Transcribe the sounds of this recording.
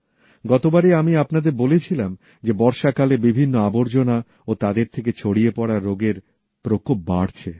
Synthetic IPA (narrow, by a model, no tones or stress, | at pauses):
ɡɔt̪obaɾiamiapnad̪eɾbolet͡ɕʰilam | d͡ʑebɔɾʃakalebibʱinːoaboɾd͡ʑona | ot̪ad̪eɾt̪ʰeket͡ɕʰoɽiepɔɽaɾːoɡeɾ | pɾokop̚baɽt͡ɕʰe